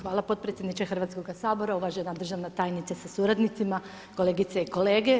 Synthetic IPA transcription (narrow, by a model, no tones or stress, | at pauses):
xʋaːlˠapo̞t̪̚pɾet̪jed̪nit͡ʃexr̩ʋaːt̪sko̞ɡasaːboɾauʋaʒenad̪r̩ʒaʋnat̪aːjnit̪sasasuɾad̪nit̪sima | ko̞leɡit̪seiko̞leːɡe